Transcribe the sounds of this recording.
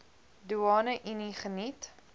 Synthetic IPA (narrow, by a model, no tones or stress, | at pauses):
duɑːnəʔiniχənit